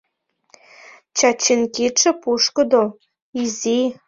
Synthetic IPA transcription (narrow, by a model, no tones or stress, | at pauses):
t͡ɕɑt͡ɕːenketʃə̆puʃkɤ̆d̪o | izi